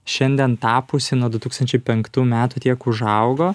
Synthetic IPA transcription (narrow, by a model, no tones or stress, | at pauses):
ʃʲɛnʲd̪ʲiɛnt̪ɑːpʊsʲɪnuɔd̪ʊt̪uːkst̪ɐnʲt͡ʃʲɛɪpʲɛŋkt̪uːmʲæːt̪uːt̪ʲiɛkʊʒɐʊɡoː